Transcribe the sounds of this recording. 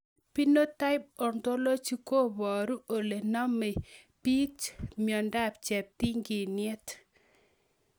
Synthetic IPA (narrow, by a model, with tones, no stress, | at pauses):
pi˦no˦ta˦ɪ˦p̚ɔ˨ndo˦lo˦t͡ʃi˦ko˦bɔ˨ɾu˦o˨le˨nɔ˦me˨ | pi˦t͡ʃmjɔ˨nda˦pt͡ʃɛ˨p̚ti˦ŋɡi˨ne˦t